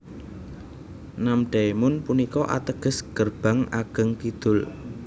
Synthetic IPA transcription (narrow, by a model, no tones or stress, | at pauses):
namɖ̪̥aemʊnpunikɔʔa̰t̪əɡ̥ə̤sɡ̥ərb̥a̤ŋa̰ɡ̥əŋkid̪̥ʊl